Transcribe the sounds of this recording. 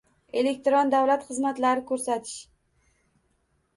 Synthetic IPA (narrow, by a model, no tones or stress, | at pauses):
e̞le̞k̚ʲt̪ɾɒnd̪awlat̪χɨzmat̪laɾɪkʰɵɾsat̪ʰɪ̥ʃ